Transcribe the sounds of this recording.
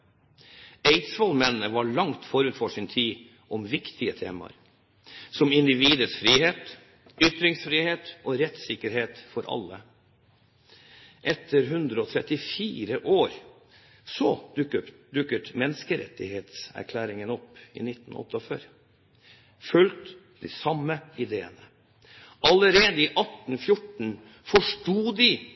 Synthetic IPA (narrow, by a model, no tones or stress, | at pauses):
eɪt̪sʋɔlmɛnnəʋɑɭɑŋt̪fɔɾʉt̪fɔʂɪnt̪ʰiː | ʔɔmʋɪkt̪ʰɪət̪ʰeːmɑ̰ɾ | sɔmɪnd̪ɪʋiːd̪əsfɾiːheːt̪ | ʏt̪ɾɪŋsfɾiːheːt̪ʔoːɾɛt̪sɪkəɾheːt̪fɔɾʔɑ̰lːə | ʔɛt̪ʰːəɾɦʉnd̪ɾəɔːt̪ʰɾɛt̪ɪfiːɾəʔoːɾ | sɔ | d̪ʉkːət̪mɛnːskəɾɛ̰t̪ːɪheːt̪sæ̰ɾkʰlæːɾɪŋənɔpːɪ̰nɪt̪ːn̩ɔ̰t̪ːəɔføːɾ | fʉlt̪ | d̪̥ɪsɑməɪd̪eːə̰nə | ʔɑləɾeːd̪əɪʔɑt̪ːn̩fjʊʈɳ̩ | fɔʂʈuːd̪ɪ